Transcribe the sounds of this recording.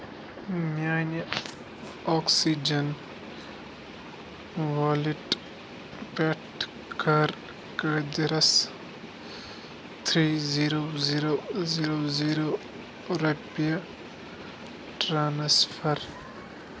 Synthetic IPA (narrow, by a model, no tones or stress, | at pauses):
mjaːn | ɔksid͡ʒɐn | ʋaːliʈ | peʈ | kkʰɐɾ | kɐd̪iɾɐs | t̪ʰɾiːziɾoːziɾoziɾoziɾoː | ɾepiɐ | ʈɾaːnsfɐɾ